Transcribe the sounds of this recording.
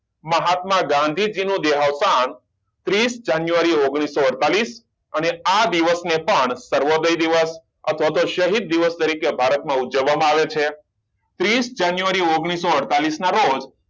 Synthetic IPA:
məɦat̪mãɡãnd̪ʱid͡ʒinũd̪eɦaʋsan | t̪ɾisd͡ʒanjuʋaɾioɡɽ̃isːoəɽt̪alis | ənead̪iʋəsnepəɳsəɾʋod̪əjd̪iʋəs | ət̪ʰʋat̪oʃəɦid̪̚ːiʋəst̪əɾikebʱaɾət̪mãud͡ʒəʋːamãaʋet͡ʃʰe | t̪ɾisd͡ʒanjuʋaɾioɡɽ̃isːoəɽt̪alisnaɾod͡ʒ

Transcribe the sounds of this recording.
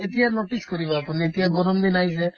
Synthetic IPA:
et̪ijanoʈiskɔɾibɔapuniet̪ijaɡɔɾɔmd̪inajsɛ

